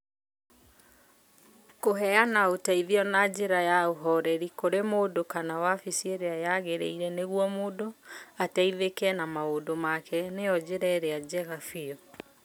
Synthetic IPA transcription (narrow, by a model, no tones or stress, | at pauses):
koɦɛanaotaiðiɔnad͡ʑeɾajaoɦɔɾɛɾikoɾemoːdokanawafisieɾeajaɣeɾḛiɾɛneɣwɔmodoataiðekɛnamaodomakɛneɔd͡ʑeɾɛɾead͡ʑɛɣafiɔ